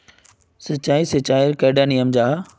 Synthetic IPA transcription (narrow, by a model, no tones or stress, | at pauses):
sɐt͡ɕaːisɐt͡ɕaːɪɾkeːɖaːnijəmd͡ʑaː